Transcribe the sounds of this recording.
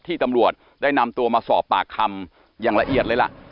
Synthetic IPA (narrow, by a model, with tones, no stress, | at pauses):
t̪ʰːiː˥˩t̪a˧mɾu˨˩ət̪̚ | daː˥˩jna˧mt̪u˧ɐmaː˧sɔː˨˩pːa̰ː˨˩kʰːa˧m | jaː˨˩ŋla˧ʔi˨˩ət̪̚lːɤ˧jla̰˩ʔ